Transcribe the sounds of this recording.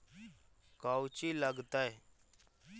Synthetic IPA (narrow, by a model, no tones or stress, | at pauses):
kaːwt͡ʃiːləɡt̪ae